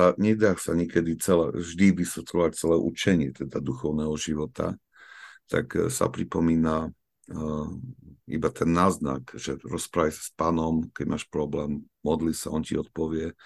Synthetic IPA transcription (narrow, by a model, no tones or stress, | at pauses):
aɲɛd̪axsaɲɛkɛd̪it͡sɛlɛ̰ʒd̪iʋisʋɛt̪lɔʋac̚t͡sɛlɛːʔṵt͡ʃɛɲɪɛt̪ɛd̪ad̪uxɔʊnɛːɦɔʒiʋɔt̪a̰ | t̪a̰ksa̰pɾipɔmiːna | ḭbat̪ʰɛnːaːzna̰kʒ̥ɛɾɔspɾaːʋajsḁspaːnɔmkɛɟmaːʃpɾɔblɛːmː | ɔd̪lisa̰ɔncḭɔt̪̚pɔʋɪɛ